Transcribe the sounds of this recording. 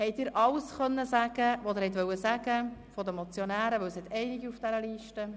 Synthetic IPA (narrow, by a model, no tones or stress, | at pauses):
hɛɪjt̪ɪːɾʔɑlsχœnːəsæɡ̥əʋod̪ɛɾhɛtʋœwəsæɡəfɔd̪əmɔt͡sjɔnæːɾəʋɵwshɛt̪ɛɪnɪɡiufd̥æɾəliːʃtə